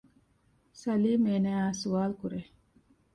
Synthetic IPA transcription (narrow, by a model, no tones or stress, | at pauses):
sɐliːmeːnæːaːsuaːlkuɾe